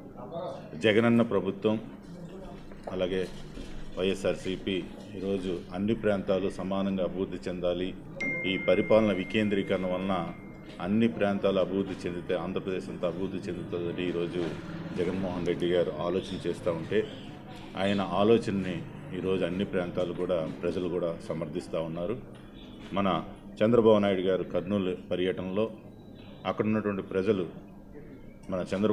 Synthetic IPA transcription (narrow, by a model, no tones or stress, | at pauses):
d͡ʒɛɡɐnɐnːɐpɾɐbʱut̪ʋɐm | ɐlaːɡe̞ːʋɐjesaːɾsipi | iːɾo̞ːd͡ʒuɐnːipɾaːnt̪aːlusɐmaːnɐŋɡaːɐbʱiʋuɾd̪ʱːit͡ʃend̪aːli | iːpɐɾipaːlɐnɐʋike̞ːnd̪ɾiːkɐɾɐnɐʋɐlːɐ | ɐnːipɾaːnt̪aːluɐbʱiʋuɾd̪ʱit͡ʃend̪it̪eːaːnd̪ʱɾɐpɾɐd̪eːʃɐnt̪oːɐbʱiɾud̪ʱit͡ʃe̞nd̪it̪oːd̪ɐniiːɾo̞ːd͡ʒud͡ʒɛɡɐnmɔːɦɐnɾe̞ɖːiɡaːɾuʔaːloːt͡ʃɐnɐt͡ʃɛːst̪aːuɳʈe̞ː | a̰ːjɐnɐaːlɔːt͡ʃɐnɐniː | ɾo̞ːd͡ʒuɐnːipɾaːnt̪aːlukuːɽaːpɾɐd͡ʒɐlukuːɽaːsɐmɐɾd̪ʱːist̪aːunːaːɾu | mɐnɐ | t͡ʃɛnd̪ɾɐbaːbunaːjiɽuɡaːɾukɐɾnuːlpɐɾjɐʈɐnlo̞ː | ɐkːɐɽunːɐʈuʋɐɳʈipɾɐd͡ʒɐlu | mɐnɐt͡ʃɛnd̪ɾɐ